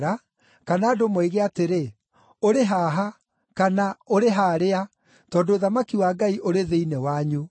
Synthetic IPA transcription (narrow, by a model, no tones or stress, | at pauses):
ɾa | kanaːdomweiɣeateɾe | oɾeɦaːɦa | kanaoɾeɦaːɾea | tɔːdooðamakiwaːɡaiʔoɾeðeinɛwaɲu